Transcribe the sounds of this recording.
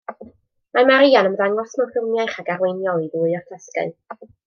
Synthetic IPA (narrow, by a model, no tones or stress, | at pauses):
mamaɾijanəməðaŋɔsmɔrfərmjajχaɡarwejnjɔlˠiðʊːɨɔrtʰaskə̰ɨ